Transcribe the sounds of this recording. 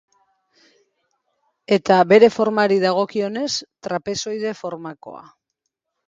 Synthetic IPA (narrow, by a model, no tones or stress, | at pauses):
e̞t̪aβe̞ɾe̞fo̞ɾmaɾiðaɣ̞o̞kio̞ne̞st̪ɾape̞so̞jð̞e̞fo̞ɾmako̞̰a̰